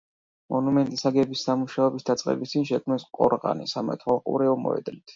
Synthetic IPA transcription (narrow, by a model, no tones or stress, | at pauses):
mɔnumɛnt̪ʼisaɡɛbisːamuʃaɛbisd̪at̪sʼqʼɛ̰bist̪ʰʼinʃɛkʰmnɛsqʼɔɾʁa̰nḭsamɛ̰t̪ʰwalˠqʼṵɾɛɔmɔ̰ɛ̰d̪lit̪ʰ